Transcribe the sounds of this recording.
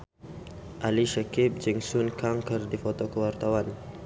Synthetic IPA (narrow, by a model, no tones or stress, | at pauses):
ʔaliʃakip̚d͡ʒiŋsunkaŋkərdifɔt̪ɔkəwart̪awan